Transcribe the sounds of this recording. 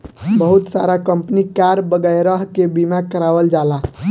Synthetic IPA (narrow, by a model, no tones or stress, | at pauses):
bəɦut̪saɾakəmpnikaɾbəɡəjɾəɦkebimakəɾaʋəld͡ʒala